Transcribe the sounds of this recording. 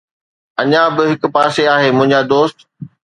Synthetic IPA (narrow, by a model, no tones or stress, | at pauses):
ɐɲãbɪɦɪkʊ̆paːseaːɦeːmʊ̃ɦɪ̃ɲd͡ʑad̪oːst̪